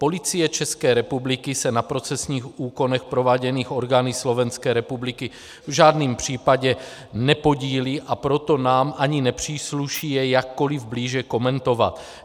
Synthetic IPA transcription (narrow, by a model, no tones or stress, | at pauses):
po̞lɪt͡sɪjɛt͡ʃɛskɛːɾɛpublɪkɪsɛnapɾo̞t͡sɛsɲiːxʔuːko̞nɛxpɾo̞vaːɟɛniːxo̞ɾɡaːnislo̞vɛnskɛːɾɛpublɪkɪ | vʒaːdniːmpr̝̥iːpaɟɛ | nɛpo̞ɟiːliːʔapɾo̞t̪o̞naːmʔaɲɪnɛpr̝̥iːsluʃiːjɛjakːo̞lɪvbliːʒɛko̞mɛnt̪o̞va̰t̪